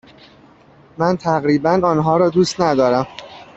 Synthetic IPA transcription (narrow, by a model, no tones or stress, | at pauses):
mænt̪ʰæɣɾiːbænɒːnɦɒːɾɒːd̪uːst̪næd̪ɒːɾæm